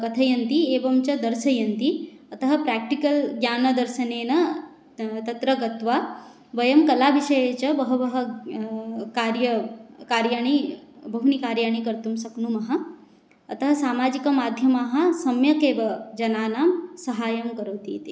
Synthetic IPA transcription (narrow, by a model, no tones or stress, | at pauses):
kɐt̪ʰɐjɐnt̪ieːʋɐmt͡ʃɐd̪ɐɾsɐjɐnt̪iɐt̪ɐɦɐpɾɛːk̚ʈikɐlɡjaːnɐd̪ɐɾʃɐneːnɐ | t̪ɐt̪ɾɐɡɐt̪ʋa | ʋɐjɐmkɐlaːʋiʃɐjeːt͡ʃɐbɐɦuʋɐɦɐ | kaːɾjɐkaːɾjaːɳibɐɦunikaːɾjaːɳ̃ikɐɾt̪umsɐknumɐɦɐ̆ː | t̪ɐɦɐ̆saːmaːd͡ʒikɐmaːd̪ʱjɐmaːɦɐ̆sɐmjɐkeːʋɐd͡ʒɐnaːnaːmsɐɦaːjɐmkɐɾoːt̪iːt̪i